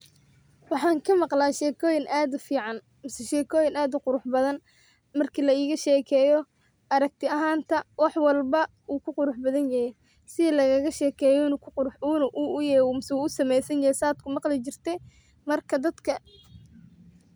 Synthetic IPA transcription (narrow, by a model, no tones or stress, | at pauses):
wɑħɑːŋkʰɐmɑqlaːʃɛːkʰɔːjɪnʔaːd̪ʊfiːʕɑn | mɪsɛʃɛːkʰɔːjɪnaːd̪ʊqʊɾʊħbɐðɐn | mɐrkʰiːlɐiːɣɐʃɛːkʰɛːjɔ | ʔɐɾɐk̚t̪ʰɪɐɦaːnt̪ʰɐwɑħwɑlbɐ | uːkʰʊqʊɾʊħbɐðɐnjɐhɛj | sɪðɛlɐɣɐɣɐʃɛːkʰɛːjɔnkʰʊʊɾʊuːnɐʔuʔʊjɛmɪsuːʊsɐmɛjsɐnjɐhɛjsaːd̪̚kʰʊmɑqlɪt͡ʃɪrt̪ʰɛ | mɐrkʰɐd̪ɐd̪kʰɐ